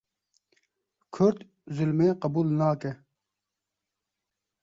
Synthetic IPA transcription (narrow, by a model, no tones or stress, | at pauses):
kʰʊɾt̪ | zulmeqɑbuːlnaːke